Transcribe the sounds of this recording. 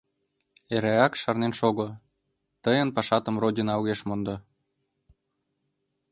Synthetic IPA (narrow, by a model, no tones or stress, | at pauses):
eɾæɑkʃɑrnenʃoɣŏ | t̪əjə̆npɑʃɑt̪ə̆mrodʲinɑwɣeʃmond̪ɤ